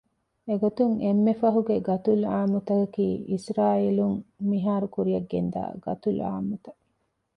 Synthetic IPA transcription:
eɡot̪uŋemːefɐɦuɡeɡɐt̪ulaːmut̪ɐkɐkiːʔisɾaːiːluŋmiɦaːɾukuɾijɐɡːend̪a̰ːɡɐ̰t̪ula̰ːmut̪ɐ

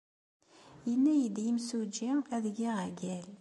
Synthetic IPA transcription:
jənːæjəd̪jimsud͡ʒiæðɡiʁæɡæl

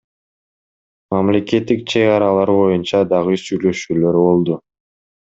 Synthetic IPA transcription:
mɑmle̞ke̞t̪ːik̚t͡ʃʰe̞ɣɡɑɾɑlˠɑɾbo̞junt͡ʃɑd̪ɑʁɯsyjlø̞ʃyːløɾbo̞lˠd̪u

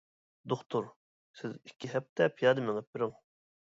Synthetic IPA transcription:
d̪oχt̪ʰuɾ | sɪzikʲʰːiɦɛp̚t̪ʰɛpʰijɑːd̪ɨmɪŋəp̚bɪɾɪŋ

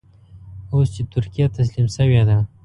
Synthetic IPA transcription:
ost͡ʃet̪ʊɾkijat̪as̬limsəwed̪a

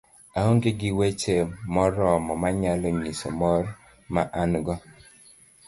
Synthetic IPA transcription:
aɦoŋɡɪɡɪwet͡ʃemɔɾɔmɔmaɲalɔɲisɔ̰mɔɾ | maʔanɡɔ

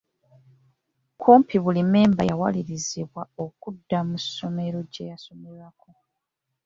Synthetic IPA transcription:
kʰoːmpiβulime̞ːmba̰jawa̰liɾiziβwaokudːamuso̞me̞ɾo̞ɟḛjaso̞melako̞

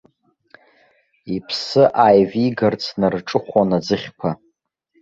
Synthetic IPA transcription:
ipʰsɨʔajviɡart͡sʰnarʈ͡ʂʼɨχʷanad͡zɨχʲkʷʰa

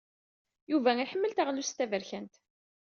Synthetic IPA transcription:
juvæŋiħəmːəlt̪əʁlust̪ːævəɾçænt̪

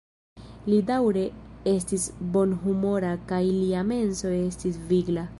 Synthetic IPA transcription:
lidawɾe̞e̞stisbo̞nɦumo̞ɾakajliame̞nso̞e̞stisviɡla

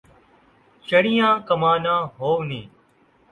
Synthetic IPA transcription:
ʃəɽijãːkəmaːnãːɦoːnĩː

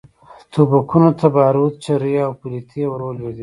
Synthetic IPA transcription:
t̪ubakunot̪ʰabɑɾut̪̚t͡ʃaɾiawpulit̪ʰewɾoled̪i

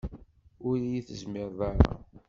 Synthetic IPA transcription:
ʊɾijiθəzmɪɾðˤɑɾˤɑ̰

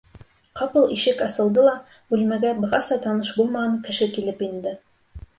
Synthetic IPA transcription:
qɑpɤlˠiʃɘkɑsɤ̆lˠd̪ɤlˠɑ | bʉlmæɡæbɤ̆ʁɑsɑt̪ɑnɤʃbulˠmɑʁɑɴkɘ̆ʃɘkilɘpind̪ɘ

